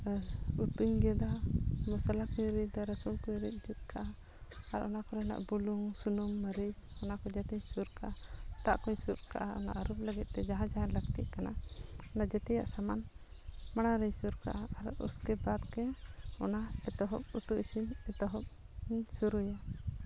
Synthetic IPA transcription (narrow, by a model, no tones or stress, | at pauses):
ut̪uɲɡɛd̪amɔsalakujɾid̪aɾɛsulkujɾit̪̚d͡ʒut̪̚kʰaʔaː | ɾʔɔnakɔɾɛna̰ʔbuluŋsunumːaɾid͡ʒɔnakɔd͡ʒɛt̪ɛɲsuɾkaʔat̪aʔkɔɲsuɾka̰ʔaɔ̰na̰ʔɾup̚ləɡɛt̪̚t̪ɛd͡ʒaɦãd͡ʒaɦãləɡt̪iʔkana̰ɔnad͡ʒɛt̪ɛja̰ʔsaman | maɽ̃aɾijsuɾka̰ʔaaɾa̰ʔṵskɛbad̪kɛɔ̰naɛt̪ɔɦɔ̰p̚ut̪uʔisinɛt̪ɔɦɔp̚ | suɾuja